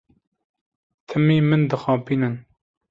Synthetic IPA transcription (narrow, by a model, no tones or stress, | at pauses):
t̪ʰɨmiːmɨnd̪ɨxɑ̃ːpʰiːnɨn